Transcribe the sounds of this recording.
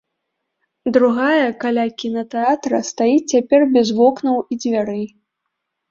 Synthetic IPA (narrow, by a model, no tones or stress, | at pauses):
d̪ɾuɣajɐkalʲakʲinɐt̪ɛat̪ɾɐ̰st̪ajit͡sʲapʲɛrbʲɛzvɔknɐwid͡zʲvʲaɾɨ